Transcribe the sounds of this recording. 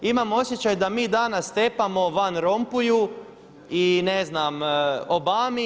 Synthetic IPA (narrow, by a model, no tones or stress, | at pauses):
imamo̞sjet͡ɕajd̪amiːd̪anast̪epamo̞ʋanɾo̞mpuju | ineznamobaːmi